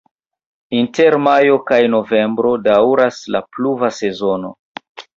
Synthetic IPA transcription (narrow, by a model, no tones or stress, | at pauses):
inte̞ɾmajo̞kajno̞ve̞mbɾo̞dawɾaslapluvase̞zo̞no̞̰